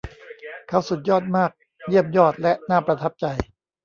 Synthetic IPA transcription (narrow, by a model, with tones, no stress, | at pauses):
kʰa˦˥˩wsu˨˩t̪̚jɔː˥˩t̪̚maː˥˩k̚ | ji˥˩əmjɔː˥˩t̪̚lɛ˦˥ʔnaː˥˩pɾa˧t̪ʰa˦˥p̚t͡ɕa˧j